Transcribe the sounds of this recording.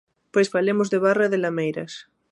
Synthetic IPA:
pojsβalemozðeβ̞araðelamejɾɐs

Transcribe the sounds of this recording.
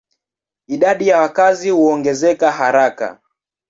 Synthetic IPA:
iɗaɗijawakazihuɔŋɡɛzɛkaɦaɾaka̰

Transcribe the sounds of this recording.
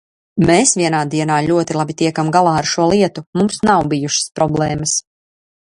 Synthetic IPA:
meːsvʲiɛnaːd̪iɛnaːʎʲuɔt̪ilˠabit̪iɛkamɡalˠaːaɾʃuɔlˠiɛt̪umumsnawbijuʃə̥spɾʔɔblˠɛːməs

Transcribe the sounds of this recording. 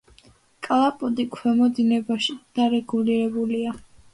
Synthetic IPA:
kʼalˠapʼɔd̪ikʰwɛmɔd̪inɛbaʃid̪̥aɾɛɡuliɾɛbulia

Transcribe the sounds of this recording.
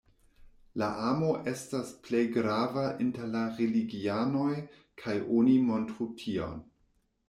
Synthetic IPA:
laʔamo̞ʔe̞stasple̞jɡɾavaʔinteɾlaʁeliɡiano̞j | kʰajʔonimo̞ntɾutʰio̰n

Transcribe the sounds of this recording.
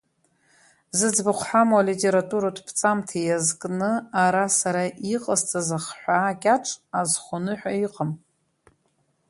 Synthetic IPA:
zɨd͡zbɨχʷħamwalitʼe̞ɾatʼuɾadʰpʰt͡sʼamtʰajazkʼnɨaɾasaɾaʔiqʼəzt͡sʼazaχħʷᶣaːkʲʼaʈ͡ʂʷʼʰazχʷonɨħʷᶣaiqʼəm

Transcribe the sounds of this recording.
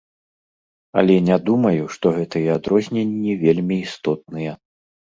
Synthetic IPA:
ɐ̰lʲɛnʲad̪umɐjuʂt̪ɔɣɛt̪ɨjɛad̪ɾɔzʲnʲenʲːivʲelʲmʲiːst̪ɔt̪̚nɨjɛ

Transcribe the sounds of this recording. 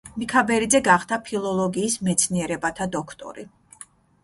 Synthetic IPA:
mikʰabɛɾid̪zɛɡaχt̪ʰapʰilˠɔlˠɔɡiːsmɛt̪sʰniɛɾɛbat̪ʰad̪ɔkʰt̪ʼɔ̰ɾi

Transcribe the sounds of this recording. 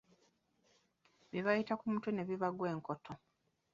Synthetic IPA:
βiβajitakumutwune̞βiβaɡwe̞ːŋko̞tʰo

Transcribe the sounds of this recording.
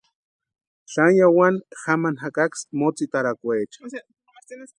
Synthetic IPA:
ɬanjawanxamanɦakaksmot͡sit̪aɾakʷet͡ʃ

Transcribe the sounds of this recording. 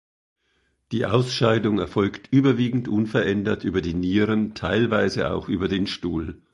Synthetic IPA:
d̥iːʔa̰ʊsʃaɪdʊŋɛɐfɔlktʰʔyːbɐviːɡŋ̩tʔʊnfɛɐʔɛndɐtʔyːbɐdiːniːʁəntʰaɪlvaɪzəʔa̰ʊxʔyːbɐdeːnʃtuːl

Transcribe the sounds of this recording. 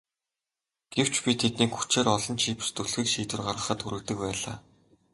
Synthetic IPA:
ɡ̥ew̥t͡ɕpʲit̪ʰet̪niːkxu̥t͡ɕeːɾɔɮɞ̆nt͡ɕʰiːp̆st̪ɵɮxɘ̆kʃiːt̪wɘ̆rɢarʁə̆χə̆t̪xuɾɘ̆kt̪ɘ̆k̚pæːɮa̰ː

